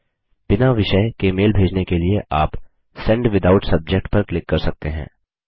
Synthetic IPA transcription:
b̥ɪnaʋɪʃəjkemeːlbʱeːd͡ʒnekelieʔaːp | sɛ̃ɳɖʋɪd̪aːʊʈsɐb̚d͡ʒek̚ʈpɐɾklɪkːɐɾsɐk̚t̪eɦɛ̰̃ː

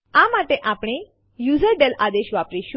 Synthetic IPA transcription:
amaʈeʔapɽ̃i | juzəɖelad̪eʃʋapɾiʃũ

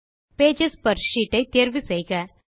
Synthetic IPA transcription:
peːd͡ʒespɐɾʃiːʈːɐɪt̪eːɾʋisejɣɐ

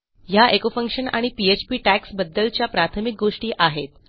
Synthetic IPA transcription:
jaʔekofəŋkʂəna̰ɽ̃ipiet͡ɕpiːʈæksbəd̪ːəlt͡ɕjapɾat̪ʰəmik̚ɡoʂʈiːʔaɦet̪

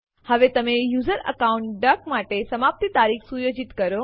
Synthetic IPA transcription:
həʋet̪əmejuzəɾə̰kauɳʈɖəkmaʈesəmap̚t̪it̪aɾiksujod͡ʒit̪kəɾo

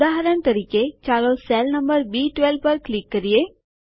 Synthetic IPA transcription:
d̪aːɦəɾənt̪ɐɾiːket͡ʃaːɾoselnəmbəɾbiːʈʋɛlpəɾklɪkːəɾije

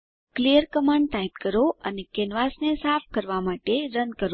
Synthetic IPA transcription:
klijəɾkəmãɳɖ̚t̪ait̪kəɾoənekenʋasnesafʰkəɾʋamaʈeɾənkəɾ

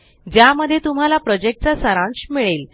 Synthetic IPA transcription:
d͡ʑjaməd̪ʱːjet̪um̤alapɾɔd͡ʑek̚ʈ̚t͡sasəɾãɳɕmiɭel

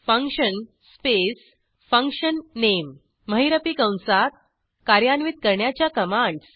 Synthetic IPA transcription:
fə̃ŋkɕən | spes | fə̃ŋkɕənːemː | əɦiɾəpikə̃w̃nsat̪̚ | kaɾjanʋit̪̚kəɾɳjat͡ɕjakəmãɳɖs

